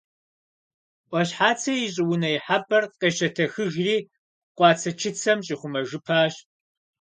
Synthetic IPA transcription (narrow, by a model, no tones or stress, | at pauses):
ʔʷʼɔɕħaːt͡sʰɐjɪɕʼɪwʊnɐjɪħapʼɐrqeːʃɐtʰɐxɨʒriː | qʷɑːt͡sʰɐt͡ʃʰɪt͡sʰɐmɕʼiχʷʊmɐʒɨpʰaːɕ